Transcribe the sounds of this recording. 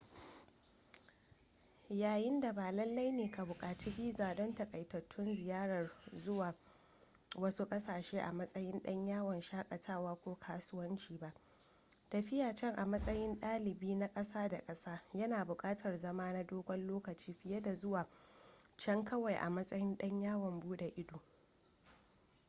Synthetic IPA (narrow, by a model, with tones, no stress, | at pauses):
jaː˨jɪ˦nda˨baː˨lɐ˦lːa˦jneː˨ka˨bʊ˨kʼaː˨t͡ʃiː˦biː˦zaː˨dɔ˦ntɐ˨kʼɐ˨jtɐ˨tʰːʊ˦nzɪ˨jaː˦ɽɐ˨rzʊ˦waː˨ | wɐ˦su˦kʼɐ˦saː˨ʃeː˦ʔa̰˨mɐ˦sʼɐ˦jɪ˦nɗɐ˦ɲjaː˦wɐ˨nʃaː˦kʼɐ˨tʰaː˦˨waː˦kʷoː˦kʰaː˦sʊ˦wɐ˦nt͡ʃiː˨ba˦ʔ | tɐ˨ɸɪ˦jaː˨t͡ʃɛ˦ŋʔa˨mɐ˦sʼɐ˦jɪ˦nɗaː˦lɪ˨biː˦na˦kʼɐ˦saː˦da˨kʼɐ˦saː˦jɐ˦naː˨bʊ˨kʼaː˦tʰɐ˨rzɐ˦maː˦na˦doː˦ɡʷɔ˦nloː˦kɐ˨t͡ʃiː˦ɸɪ˦jɐ˦da˨zʊ˦waː˨t͡ʃɛ˦ŋkɐ˦wa˨jʔa̰˨mɐ˦sʼɐ˦jɪ˦nɗɐ˦ɲjaː˦wɐ˨mbuː˦da˨ʔɪ˦duː˨